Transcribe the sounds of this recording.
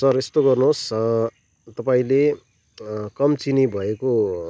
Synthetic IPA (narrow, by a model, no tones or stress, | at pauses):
sʌrest̪oɡʌrnuɦs | t̪ʌpaĩle | kʌmt͡sinibʱʌeko